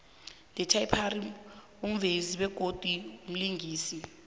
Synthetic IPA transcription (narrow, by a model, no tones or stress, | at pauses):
lʱɛtʰaipʰaɾi | um̩veziɓɛɡ̥ʱod̥ʱwium̩liŋʱiːsi